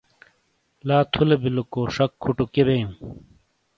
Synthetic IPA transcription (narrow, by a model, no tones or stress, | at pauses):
laːt̪ʰulebilukoːʂɐkʰːuʈukebejũm